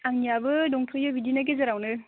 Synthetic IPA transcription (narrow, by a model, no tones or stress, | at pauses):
aŋnijabɯdɔŋtʰɔjabidinaɡezɐɾawnɯɾ